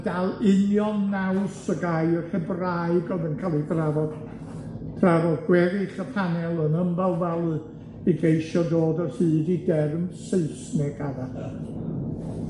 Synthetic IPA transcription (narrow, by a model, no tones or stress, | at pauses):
d̥alˠɪnjɔnːawsəɡaɨəɬɛbraɨɡɔðənkʰalˠibravɔd | d̥ʰravɔdɡwɛɾɪɬəpʰanɛlˠənəmbɛlˠvɛlˠ | iɡejʃɔdoːdɔhɨːdidɛrmseɨsnɛɡ̥aðahə